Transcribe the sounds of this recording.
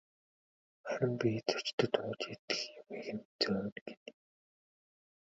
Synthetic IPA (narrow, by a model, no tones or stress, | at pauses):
χæɾʲɪ̆mpʲit͡sɔ̥t͡ɕt̪ə̆t̪ʊːt͡ɕet̪ɘ̥̆xjʊmeːxɘ̆nt͡sœːnɡe̥n